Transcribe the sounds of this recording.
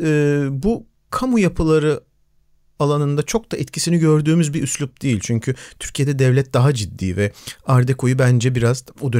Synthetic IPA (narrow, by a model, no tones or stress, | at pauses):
ɛːbu | kʰamujapʰɯlˠaɾɯ | alˠanɯnd̪at͡ʃʰo̞k̚d̪aʔɛt̪cʰisiniɟø̞ɾd̪yːmyzbiʔyslʲup̚d̪̥ejilʲt͡ʃʰyɲcʰyt̪ʰyɾcʰijed̪ɛd̪ɛvlʲɛt̪̚d̪aɦad͡ʒid̪ːḭːvɛaɾd̪ɛkʰo̞jubænd͡ʒɛbiɾazod̪ø